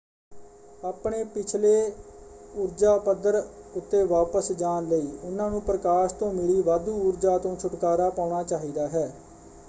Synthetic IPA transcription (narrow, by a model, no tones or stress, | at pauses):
aːpɳeːpɪt͡ʃʰleː | ʊɾd͡ʒaːpəd̪əɾʊt̪ːeːʋaːpəsd͡ʒaːnləiːʊnãːnũːpɾəkaːʃt̪õːmɪɭiːʋaːd̪uːʊɾd͡ʒaːt̪õːt͡ʃʰʊʈkaːɾaːpaːʊɳaːt͡ʃaːɦiːd̪aːɦɛː